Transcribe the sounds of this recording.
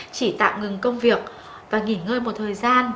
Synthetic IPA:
t͡ɕi˧˩t̪a̰ː˧˨wŋɨ˨˩ŋkə˧wŋ͡mvi˨˩ək̚ | vaː˨˩ŋi˧˩nŋəː˧jmo˨˩t̚t̪ʰəː˨˩jzaː˧n

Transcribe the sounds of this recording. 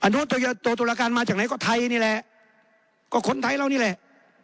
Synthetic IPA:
ʔa˧nu˦˥t̪u˧jɤː˧t̪u˧t̪̬u˨˩laː˧kaː˧nmaː˧t͡ɕaː˨˩k̚na˦˥jkɔː˧˩t̪ʰa˧jniː˥˩lɛ˨˩ʔ | kɔː˧˩kʰo˧˥nt̪ʰaː˧jɾa˧˩niː˥˩lɛ˨˩ʔ

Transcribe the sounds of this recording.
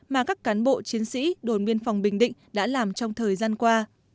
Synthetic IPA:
maː˨˩kaː˦˥kːaː˨˦nɓo̰˧˨t͡ɕi˨˦ənsḭ˧˥ɗo˨˩nmi˧ənfwŋ͡mɓï˨˩ŋ̟ɗḭ̈˧˨ŋ̟ɗa̰ː˧˥laː˨˩mt͡ɕɔ˧wŋ͡mt̪ʰəː˨˩jzaː˧nkwaː˧

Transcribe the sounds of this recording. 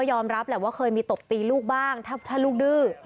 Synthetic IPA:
jɔː˧mɾa˦˥p̚lɛː˨˩waː˥˩kʰɤː˧jmiː˧t̪o˨˩p̚t̪iː˧luː˥˩k̚baː˥˩ŋt̪ʰaː˥˩t̪ʰaː˥˩luː˥˩k̚dɯː˥˩

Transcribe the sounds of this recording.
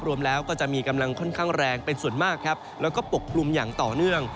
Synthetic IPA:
p̚ɾu˧əmlɛː˦˥wkɔː˥˩t͡ɕa˨˩ʔmiː˧ka˧mla˧ŋkʰɔ˥˩nkʰaː˥˩ŋɾɛː˧ŋpe˧nsu˨˩ənmaː˥˩kʰːɾa˦˥p̚lɛː˦˥wkɔː˥˩po˨˩k̚ʰːlu˧mjaː˨˩ŋt̪ɔː˨˩nɯ˥˩əŋ

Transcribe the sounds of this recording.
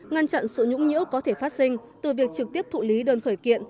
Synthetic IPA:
ŋa˧nt͡ɕa̰˧˨nsɨ̰˧˨ɲʊ̰˧˥ŋ͡mɲḭ˧˥əwkɔ˨˦t̪ʰe˧˩faː˦˥t̚sï˧ŋ̟t̪ɨ˨˩vi˨˩ək̚t͡ɕɨ˨˩k̚t̪i˦˥əp̚t̪ʰṵ˧˨li˨˦ɗəː˨˩nxəː˧˩jkḭ˧˨ən

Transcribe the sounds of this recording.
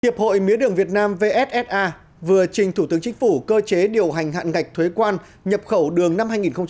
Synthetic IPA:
i˨˩əp̚ho̰˧˨jmḭ˨˦əɗɨ˨˩əŋvi˨˩ət̚naː˧mve˧ʔɛ˦˥t̚ʔɛ˦˥t̚ʔaː˧ | vɨ˨˩ət͡ɕï˨˩ŋ̟t̪ʰu˧˩t̪ɨ˨˦əŋt͡ɕï˨˦ŋ̟fu˧˩kəː˧t͡ɕe˨˦ɗi˨˩əwɦa˨˩jŋ̟ɦa̰ː˧˨nŋa˨˩k̚t̪ʰwe˨˦kwaː˧n | ɲə˨˩p̚xə˧˩wɗɨ˨˩əŋna˧mhaː˧jŋi˨˩nxə˧wŋ͡m

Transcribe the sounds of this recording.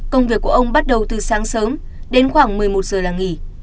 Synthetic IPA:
kə˧wŋ͡mvi˨˩əkːu˧˩əʔə˧wŋ͡mɓa˦˥t̚ɗə˨˩wt̪ɨ˨˩saː˨˦ŋsəː˨˦m | ɗe˨˧˦nxwaː˧˩ŋmɨ˨˩əjmo˨˩t̚z̥əː˨˩laː˨˩ŋi˧˩

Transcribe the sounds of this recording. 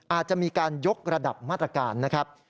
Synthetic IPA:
ʔaː˨˩t̪̚t͡ɕa˨˩miː˧kaː˧njo˦˥k̚ɾa˧da˨˩p̚maː˥˩t̪̚ɾa˧kaː˧nːa˦˥kʰɾa˦˥p̚

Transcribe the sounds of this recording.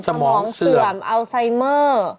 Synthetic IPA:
sa˧mmɔː˨ɔː˩˦ŋŋsɯ˨˩əmʔa˧wsa˧jmɤː˥˩

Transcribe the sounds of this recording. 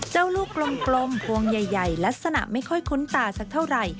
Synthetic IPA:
t͡ɕa˥˩wluː˥˩kːlo˧mklo˧mpʰu˧əŋja˨˩jːa˨˩jla˦˥k̚sa˧na̰˨˩ʔma˥˩jkʰɔ˥˩jkʰu˦˥nt̪aː˧sa˨˧˩k̚t̪ʰa˥˩wɾa˨˩j

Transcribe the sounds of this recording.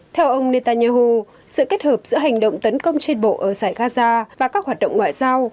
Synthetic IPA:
t̪ʰɛ˧wʔə˧wŋ͡mne˧t̪aː˧nɲaː˧ɦu˧ | sɨ̰˧˨ke˦˥t̚həː˨˩p̚zɨ̰˧˥əɦa˨˩jŋ̟ɗə̰˧˨wŋ͡mt̪ə˨˦nkə˧wŋ͡mt͡ɕe˧nɓo̰˧˨ʔəː˧˩saː˧˩jɣaː˧zaː˧vaː˨˩kaː˦˥k̚haː˨˩ɗə̰˧˨wŋ͡mŋwa̰ː˧˨jzaː˧w

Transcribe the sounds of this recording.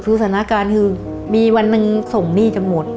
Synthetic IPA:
sʰuː˧˦˩sʰaː˩˦na˦˥˩kaː˧nkʰɯː˧ | miː˧wa˧nːɯ˧ŋso˨˩ŋniː˥˩t͡ɕa˧mmo˨˩t̪̚

